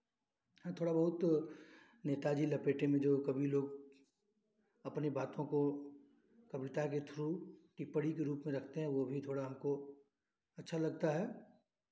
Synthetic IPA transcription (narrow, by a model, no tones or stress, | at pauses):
ɦɛ̃t̪ʰoːɽabɐɦʊt̪ | neːt̪ad͡ʒiːlɐpeːʈemẽd͡ʒoːkɐbʱiloːɡ | ɐpnebaːt̪õko | kɐbɪt̪aket̪ʰɾukipəɽikeɾuːpmẽɾɐkʰt̪eɦɛ̃ʋobʱit̪ʰoːɽaɦɐmko | ɐtːʃʰalɐɡ̚t̪aɦɛː